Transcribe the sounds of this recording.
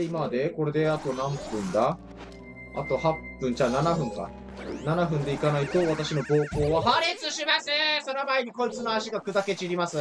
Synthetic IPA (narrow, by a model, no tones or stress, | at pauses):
imad̪eko̞ɾe̞d̪e̞at̪o̞nãmpːɯ̟̃nd̪a | a̰t̪o̞hapːɯ̟̃nt͡ɕaːnanaɸɯ̟̃ŋka̰ | nanaɸɯ̟̃nd̪e̞ikanait̪o̞β̞at̪aɕino̞bo̞ːko̞ːβahaɾet͡sɨɕimaseso̞no̞maiɲ̟iko̞it͡sɨno̞aɕiɡakɯ̟d̪ake̞t͡ɕiɾʲimasɨ